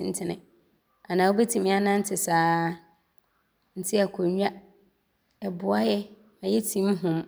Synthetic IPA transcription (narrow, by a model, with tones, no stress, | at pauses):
n̩˦tʰɪ˨nɪ̰̃˨ | a˨nãː˨o˦bɛ˦tʰĩ˨mĩ˦a˦nã˦n̩˦tʰɪ˨saː˦ | n̩˦tʰɪ˦a˨kʰɔ˨ɲᶣ˦a˦ | ɛ˨bʊ˨a˦jɛ˦ | ã˨jɛ˦tʰĩ˦mɦʊ̃˨m